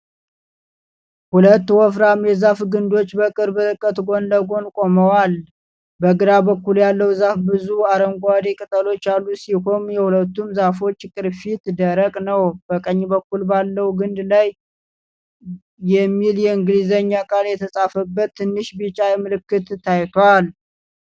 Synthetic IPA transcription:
hulət̪ːwɔfɾamjɛzafɡɨnd̪o̞t͡ʃːbəkʼɨɾbɨtɨkʼːət̪ɡo̞nd̪əɡo̞nkʼoməwal | bəɡɨɾabəkːuljalːəwzafbɨzuaɾəŋɡʷad̪ekʼɨt̪ʼəlo̞t͡ʃːalːusiho̞njɛhulət̪ːumzafo̞t͡ʃːkʼɨɾfit̪d̪əɾəkʼnəwb̥əkʼəɲːbəkːulbalːəwuɡɨnd̪laj | jɛmːiljɛɨŋɡlizəɲːakʼaljɛt̪ʰəsʼafəbːət̪ːɨnːɨʃbɨt͡ʃʼajɛmɨlɨkːɨt̪ʰːajt̪ʰwal

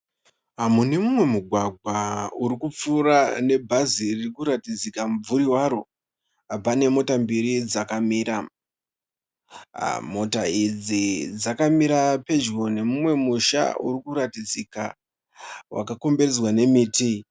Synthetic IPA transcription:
ɦamune̞mumwe̞muɡʱwaɡʱwauɾikup͡fuːrane̞bʱaziririkuɾatid͡zikamub͡vuɾiwaɾo̞ | abane̞mo̞tambiɾid͡zakamiːɾa | mo̞taid͡zid͡zakamiɾape̞d͡ʒɣo̞ne̞mumwe̞muʃa̰ṵɾikuɾatid͡zika̰ | wʔa̰kako̞mberezwane̞miːti

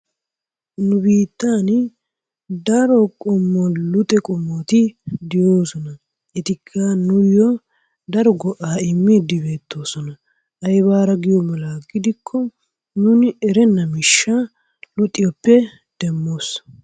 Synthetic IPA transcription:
nʊbiːt̪ːaːn | d̪ɐɾɔkʼʊmːɔlʊt̪ʼɛkʼʊmːɔt̪ɪd̪ɪjo̞ːsɔnɐ | ɛt̪ɪkʰːaːnʊjɔ | d̪ɐɾɔɡɔʔaːɪmːid̪ɪbe̞ːt̪ːo̞ːsɔnɐ | ʔɐjbaːɾɐɡɪjɔmɐlaːɡɪd̪ɪkʰːɔ | nuːnɪɛɾɛnːɐmɪʃːaː | lʊt̪ʼːɪjɔpːɛ | d̪̥ɛmːo̞ːs

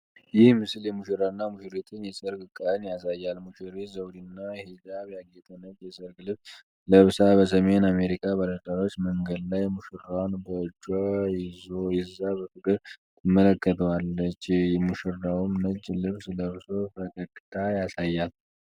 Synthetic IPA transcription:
jɪhmɨsɨljɛmuʃiɾanːamuʃiɾet̪ʰɨnjɛsʼəɾɡɨkʼːanjasajːalmuʃiɾezəwd̪inːahed̪aβjaɡet̪ʼənəd͡ʒjɛsʼəɾɡɨlɨβ | ləβsabəs̬əme̞name̞ɾikʰaβaləd̪aɾot͡ʃːməŋɡəd̪lajmuʃɨɾawnbəd͡ʒʼojɪzojɪzːabəfɨkʼɨɾʼ | ɨmələkːət̪ʰəwalːət͡ʃːjɛmuʃɨɾːawumnəd͡ʒlɨβsləβso̞bəkʼət̪ʼːɨt̪ʰʼajasajːal

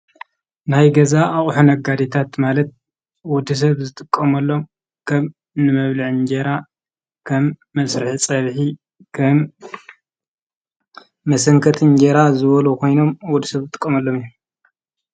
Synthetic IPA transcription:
najɡɐzaːχʼħunɐɡad̪et̪ʰat̪malɐt̪̚ | wɔd̪ɨs̬ɐβzɨt̪ʼɨkʼːɐmɐlːo̞m | kʰɐm | nɨmɐβlɨʕnd͡ʒeɾa | kʰɐmːɐsɾɨħit͡sʼɐβħi | m | ɐsɐŋkʰɐt̪ʰɨɲd͡ʒeɾazɨβɐlukʰo̞jno̞mwɔd̪isɐβzɨt̪ʼɨ̥kʼːɐmɐlːo̞mijum

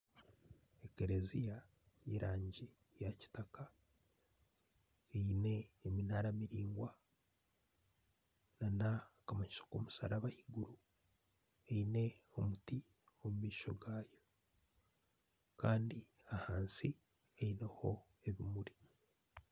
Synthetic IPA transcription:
ekeɾezija | iɾaːɲɟe | jaci̥taka | eine̞ːminaɾamiɾiːŋɡwa | nanakamaɲisoko̰musa̰ɾaβahiɡuɾu | eine̞o̞muti | o̞mumiːʃo̞̰ɡaːjo̞ | kaːndi | ahaːnsi | eineho̞ | eβimuɾi

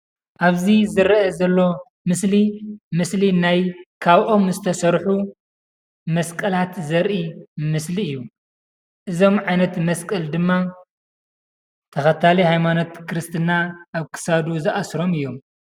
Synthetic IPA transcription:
ʔaβzizɨɾɐɐzɐlːo̞ | mɨslimɨslinajkʰaβʔo̞mzɨt̪ʰɐsɐɾħu | mɐskʼɐlat̪zɐɾʔimɨsliɨjːu | ʔɨzo̞mʕajnɐt̪mɐskʼɐld̪ɨmːa | t̪ʰɐxɐt̪ʰalihajmano̞t̪kʰɨɾɨst̪ʰɨnaʔːβkʰɨ̥sad̪uzɨʔasɾo̞mɨjːo̞m

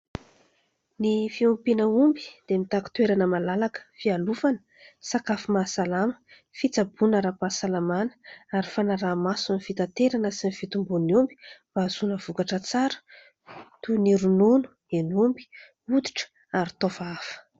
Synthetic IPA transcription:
nifiumpinəumbi̥d̪̥emit̪aku̥t̪weɾanəmalalakə̥fialufanə̥ | sakafimasalamə̥ | fit͡sabunəɾapasalamanə̥aɾifanaɾaːmasunifit̪at̪eɾanəsinifit̪umbuniumbi̥v̥azunəv̥ukaʈ͡ʂət͡saɾə̥ | t̪uniɾununu̥ | enumbi̥ | ud̪i̥ʈ͡ʂə̥ | aɾit̪ovaafə̥

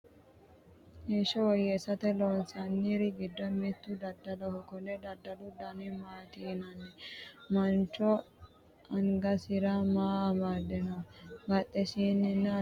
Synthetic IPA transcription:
heʃɔwɔjɛsɐt̪ɛlɔnsɐnːiɾɪɡɪd̪ːɔnmɛt̪ːʊd̪ɐd̪ːɐlɔhɔkɔnɛd̪ɐd̪ːɐlʊd̪ɐnɛmaːt̪iːnɐnɛmɐnt͡ʃːɔ | ɐŋɡɐsɪɾɐmaːmaːd̪ːɛnɐbɐt̪ʼːɛsiːnːɛnːɐ

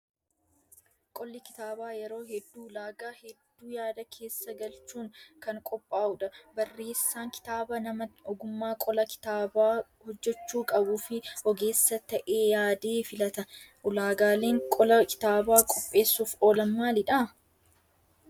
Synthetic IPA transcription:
kʼɔlːɪkɪ̥t̪aːbaːjɛɾo̞ːhɛd̪ːuːlaːɡaːhɛd̪ːuːjaːd̪ɐkʰe̞ːsːɐɡɐlt͡ʃuːŋkɐŋkʼɔpʼːaːʔʊᶑɐbɐrːe̞ːsːaːŋkɪ̥t̪aːbɐnɐmɐɔɡʊmːaːkʼɔlɐkɪ̥t̪aːbaːhɔd͡ʒːɛt͡ʃːuːkʼɐbuːfɪhɔɡe̞ːsːɐt̪ɐʔe̞ːjaːd̪eːfɪlɐt̪ɐʔʊlaːɡaːleːŋkʼɔlɐkɪ̥t̪aːbaːkʼɔpʼːe̞ːsːuːfo̞ːlɐmːaːlɪᶑa

